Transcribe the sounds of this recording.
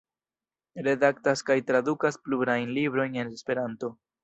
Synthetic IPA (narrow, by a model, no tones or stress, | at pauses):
ɾe̞dak̚taskajtɾadukaspluɾajnlibɾo̞jne̞nespe̞ɾanto̞